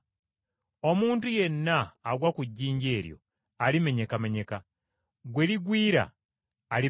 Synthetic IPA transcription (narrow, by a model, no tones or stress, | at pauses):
omuːntuje̞nːaːɡwakuɟːiːɲɟeːɾjo̞̰ | alime̞ɲe̞kame̞ɲe̞ka | ɡweliɡwiːɾa̰ː | li